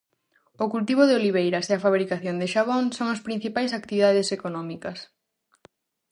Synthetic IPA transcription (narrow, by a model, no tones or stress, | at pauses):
okult̪iβ̞oðeoliβ̞ejɾɐseɐfaβɾikaθjond̪eʃaβ̞oŋsoŋɐspɾĩn̟θipajsak̚t̪iβiðaðesekonɔ̃mikɐs